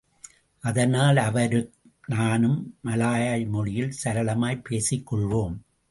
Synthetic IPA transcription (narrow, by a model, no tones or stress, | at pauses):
ʔɐðɐnaːlɐʋɐɾɯ | naːnɯmːɐlaːjaːjmɔɻɪjɪlsɐɾɐɭɐmaːjpeːsɪkːɔɭʋoːm